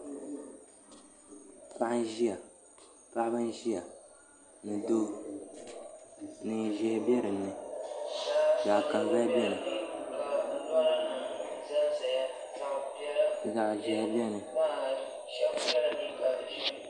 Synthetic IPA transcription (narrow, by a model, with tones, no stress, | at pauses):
pa˦ʔn˦ʒi˦a˨ | pa˦ʔbɨ˦n˦ʒi˦a˨ | nɨ˨do˦ | nɨ˨ʒɛ˦bɛ˦ɾɨ˨nɨ˨ | za˨ʔka˨nbɛ˦bɛ˦nɨ˨˦˨ | za˨ʔʒɛ˨˦bɛ˦nɨ˨˦